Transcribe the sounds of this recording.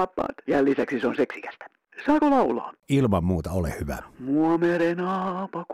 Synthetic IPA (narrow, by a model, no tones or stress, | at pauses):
ɑpːɑ̰ːt̪jɑlisæksiseonseksikæ̥st̪æ̥ | sɑːkolɑulɑ̰ːilmɑmmuːt̪ɑolḛhyʋæ̰nmuɑmeɾenɑːpɑk